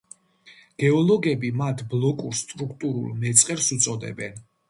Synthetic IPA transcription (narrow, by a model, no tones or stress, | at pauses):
ɡ̥ɛɔlˠɔɡɛbimat̪ʰblˠɔkʼuɾst̪ʼɾukʰt̪ʼuɾṵlˠmɛt̪sʼqʼɛɾsut̪sʼɔd̪ɛ̰bɛn